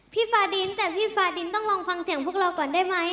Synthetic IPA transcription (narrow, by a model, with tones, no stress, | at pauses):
pʰiː˥˩faː˧di˧nt̪ɛː˨˩pʰiː˥˩faː˧di˧nt̪ɔ˥˩ŋlɔː˧ŋfa˧ŋsi˨˩˦ŋpʰu˥˩ək̚ɾa˧wkɔː˨˩ndaː˥˩jma˦˥j